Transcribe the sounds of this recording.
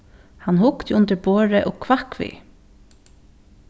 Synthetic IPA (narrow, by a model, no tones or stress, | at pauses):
hɑnhʊkt̪ʊnt̪əɾboːɹəʔoːɡkʰʋɑkʋḭː